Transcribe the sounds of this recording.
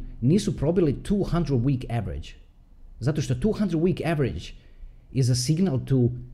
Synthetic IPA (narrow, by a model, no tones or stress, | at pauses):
niːsupɾo̞bilit̪ʰuːhand̪ɾed̪wiːkɛʋɾḭd͡ʒ | zat̪o̞ʃt̪ot̪uːxand̪ɾed̪wiːkɛʋeɾid͡ʒ | izasiɡnalˠt̪u